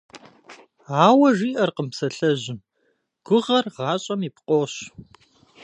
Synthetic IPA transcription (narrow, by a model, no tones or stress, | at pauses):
aːwɐʐiːʔɐrqəmpsɐɬɐʑɪm | ɡ̥ʷʊʁɐrʁɑːɕʼɐmipqʷʼoːɕ